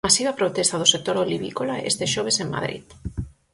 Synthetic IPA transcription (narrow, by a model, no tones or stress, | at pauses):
asiɣapɾot̪est̪að̞osek̚t̪oɾoliβḭkolaḛst̪eʃoβ̞eseŋma̰ðɾḭð